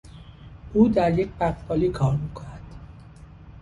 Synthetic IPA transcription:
ʔuːd̪æɾjec̚ʰʲbæχbɒːliːkʰɒːɾmiːkʰonæd̪̥

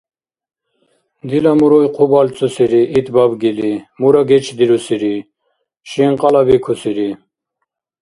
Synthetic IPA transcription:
d̪ilamuɾɔjqʰubalt͡sʼusiɾiʔːt̪babɡilimuɾaɡɛt͡ʃʰd̪iɾusiɾi | ʃiŋqʼɑlabikʰusiɾi

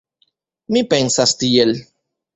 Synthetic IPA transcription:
mipensast̪iel

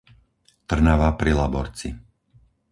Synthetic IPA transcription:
t̪r̩naʋaːpɾilabɔ̰ɾt͡sḭ

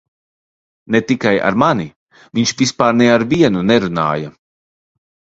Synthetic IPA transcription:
net̪ikaja̰ɾmani | viɲʃvispaːɾnɛaɾviɛnunɛɾuna̰ːja

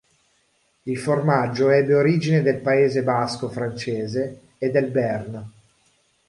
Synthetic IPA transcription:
ilformad͡ʒːoɛbːeoɾiːd͡ʒined̪elpaeːzebaskofɾant͡ʃeːzeː | d̪ːelbɛrn

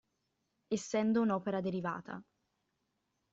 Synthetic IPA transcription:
esːɛnd̪ounɔːpeɾad̪eɾiva̰ːt̪ʰa̰

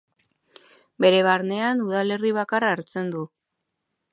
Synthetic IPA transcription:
be̞ɾe̞β̞aɾne̞anuðale̞riβ̞akaraːɾt͡se̞nd̪u

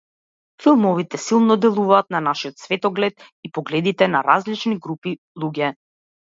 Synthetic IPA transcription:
filˠmɔvit̪ɛsilˠnɔd̪ɛlˠuvaːt̪̚nanaʃiɔt̪svɛt̪ɔɡlɛt̪ | ipɔɡlɛd̪it̪ɛnaɾazlit͡ʃniɡɾupi | lˠuɟɛ

